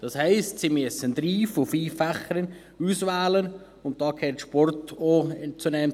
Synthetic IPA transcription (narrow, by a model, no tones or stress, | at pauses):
d̥ɑshɛɪstsimyəsənd̥̪ɾiːfʊfiːfæχəɾən | uːsʋæːlən | ʊnt̚d̥ɑːkʰɛːtʃpɔrtot͡sunɛm